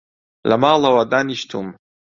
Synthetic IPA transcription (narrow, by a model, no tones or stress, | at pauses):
la̰maːlawad̪aniʃt̪ʰṵm